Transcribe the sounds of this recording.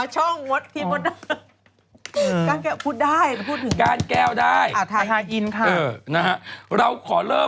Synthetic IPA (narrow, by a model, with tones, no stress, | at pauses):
t͡ɕʰɔ˥˩ŋwo˦˥t̪ʰːiː˧mo˧˥da˧˥ | kaː˧nkɛː˧˩pʰuː˥˩t̪̚daː˥˩jppʰu˥˩t̪̚ʰːɯ˩˦kaː˧nkɛː˧˩wdaː˥˩ja˧˩t̪ʰaː˧˩t̪ʰaː˧jʔi˧nkʰa˥˧ʔɤː˩˧˩na˦˥ha˦˥ʔɾa˧wkʰɔː˩˦lɤː˥˩